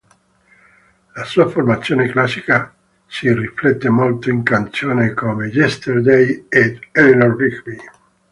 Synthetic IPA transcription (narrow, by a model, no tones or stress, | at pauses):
lasuːaformat̪sːjoːneklasːika | siriflɛt̪ːemolt̪oiŋkant̪sjoːnekomed͡ʒɛst̪erd̪ejed̪ɛlinorbikli